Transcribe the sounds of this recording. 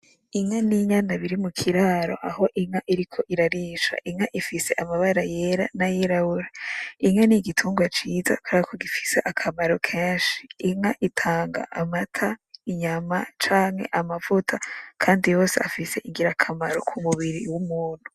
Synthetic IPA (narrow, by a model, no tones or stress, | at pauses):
iŋaniɲanaβiɾimukʰiɾaːɾo̞̰ʔaɦo̞ʔiŋaʔiɾikʰo̞ʔiɾaɾiːʃa̰ʔiŋaʔifise̞ʔamaβaɾajeɾa̰najiɾahuɾaiŋaniɡitʰuːŋɡwat͡ʃiːza̰kaɾakʰoɡifi̥se̞ʔakʰamaɾokʰe̞ːnʃi̥ːŋaʔitʰaːŋɡa̰ʔamatʰaiɲamat͡ʃaːŋhe̞̰ʔamavutʰakʰaːndijo̞ːseafise̞ʔiŋɡiɾakʰamaɾo̰kʰumuβiɾiwumuːn̥hu̥